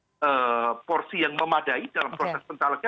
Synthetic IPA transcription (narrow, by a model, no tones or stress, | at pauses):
ʔəpɔrsijaŋməmadaidalampɾosɛsbənt̪alaka